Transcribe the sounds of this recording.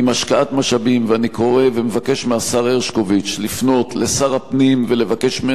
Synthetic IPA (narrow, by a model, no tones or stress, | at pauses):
imaʃkaatmaʃabimveaniko̞ʁe̞vemevake̞ʃmeasaʁeʁʃkovit͡ʃlifno̞t̪le̞saʁapnimvele̞vake̞ʃme